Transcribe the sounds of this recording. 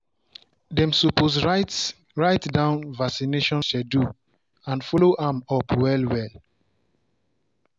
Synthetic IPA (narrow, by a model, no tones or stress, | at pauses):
dɛ̃msopos | ɹaɪtdãʊ̃nvasineʃɔ̃nʃɛdu | ãnfɔloʔãmɔpwɛlwɛl